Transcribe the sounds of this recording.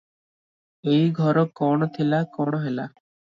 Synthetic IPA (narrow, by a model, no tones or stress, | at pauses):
ejɡʱɔɾɔkɔɳ̃ɔt̪ʰilakɔɽɔɦela